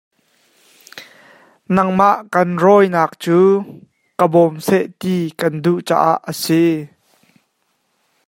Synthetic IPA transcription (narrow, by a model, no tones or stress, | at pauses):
nɐŋmaʔkɐnrɔjnaːk̚t͡suː | kəbɔmseʔt̪iːkɐnduʔt͡sa̰ːʔa̰ʔəsi